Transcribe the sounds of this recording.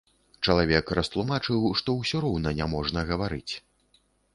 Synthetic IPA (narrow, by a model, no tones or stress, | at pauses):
t͡ʂɐlˠavʲɛkɾʔɐst̪lˠumat͡ʂɨwʂt̪ɔwsʲɔɾɔwnɐnʲamɔʐnɐɣɐvaɾɨt͡sʲ